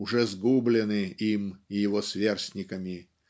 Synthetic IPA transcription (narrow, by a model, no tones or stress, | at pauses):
ʊʐɛzɡublʲɪnɨimijɪvosvʲersʲnʲɪkəmʲɪ